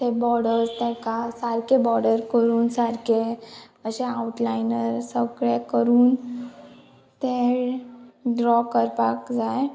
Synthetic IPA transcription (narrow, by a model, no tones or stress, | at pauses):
t̪ebɔɽəɾd͡zt̪ɛ̃kasaɾkʰebɔɾɽəɾkəɾuːnsaɾkʰe | əɕeawuʈlajnəɾsəɡɭekəɾuːn | t̪e | ɖɾɔkəɾpakd͡zaj